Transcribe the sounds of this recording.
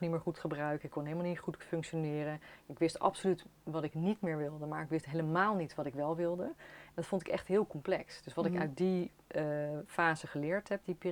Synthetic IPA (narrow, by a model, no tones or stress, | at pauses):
nimɪːɹχutχəbrœɥkəɪkʰːɔnɦeləmalˠnitχutfɵŋkʃonɪːrənɪkʋɪstɑ̰psolytʋɑtɪknitmɪːɹʋɪlˠdəmaːɹɪkʋɪstɦeləmaːlˠnitʋɑtɪkʋɛlˠʋɪlˠdəɛndɑtfontɪkɛ̰χtɦɪːlˠkɔmplɛksd̥ɵsʋɑtɪkœ̰ɥt̚di | faːzəχəlɪːɹtɦɛp̚dipiː